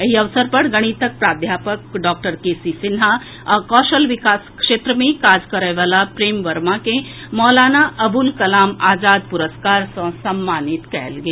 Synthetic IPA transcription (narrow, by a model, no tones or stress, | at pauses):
ɐɦiɐʋsəɾpɐɽɡɐɽ̃it̪ək̚pɾaːd̪ʱjaːpəkɖɔːk̚ʈəɾkeːsisɪnɦa | kɔːʃəlʋɪkaːskʂeːt̪ɾəmẽkaːd͡ʒkɐɾəʋaːlapɾeːmʋɐɾmakẽ | mɔːlaːnaʔɐbulkɐlaːmaːd͡ʒaːd̪̚pʊɾəskaːɾsɐ̃sɐmːaːnɪt̪kɛɦlɡeː